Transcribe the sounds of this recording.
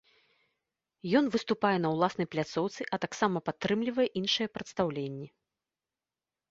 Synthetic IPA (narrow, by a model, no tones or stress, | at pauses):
jɔn̪vɨst̪upajɛnɐwlˠasnɐjplʲat̪sɔwt̪sɨʔɐt̪aksamɐpat̪ːɾɨmlʲivɐjɛʔinʂɨjɛpɾɐt̪st̪awlʲenʲːɛ